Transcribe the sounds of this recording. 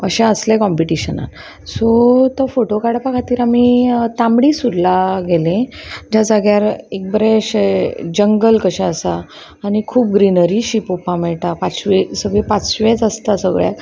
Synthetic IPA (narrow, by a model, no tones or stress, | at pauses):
əɕɛ̃əslekɔmpiʈiɕəna̰t̪ | sot̪əfoʈokaɽapakʰat̪iːɾamit̪ãmɽisud̪laɡelẽd͡ʑad͡zaɡjaɾek̚bəɾɛ̃ɕed͡ʑəŋɡəlkəɕɛ̃əsaː | nikʰuːp̚ɡɾinəɾiɕipopãmɛɭʈapat͡sʋesəɡɭepat͡sɕʋẽt͡səst̪asəɡɭja̰t̪